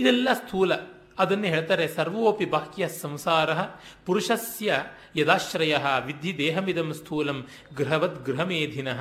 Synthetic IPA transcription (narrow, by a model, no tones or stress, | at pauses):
id̪ɛlːɐst̪ʰuːlɐ | ɐd̪ɐnːɐɦeːɭt̪aːɾesɐɾʋɐoːpibaːkjɐsɐ̃msaːɾɐɦɐ̆ | puɾuʃɐsjɐ | jɐd̪aːʃɾɐjɐɦɐ̆ʋid̪ʱid̪eːɦɐmid̪ɐmst̪ʰuːlɐm | ɡɾɦɐʋɐt̪ɡɾɦɐmeːd̪ʱinɐɦɐ